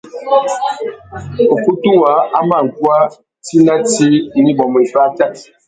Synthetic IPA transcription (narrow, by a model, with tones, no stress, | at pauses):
o˨ku˦tu˦wa˨˦a˦ma˦˨ŋ̩˨kwa˦ | ti˦na˦ti˦ni˦bɔ˨m˨i˨fa˦t͡ʃa˦˨t̚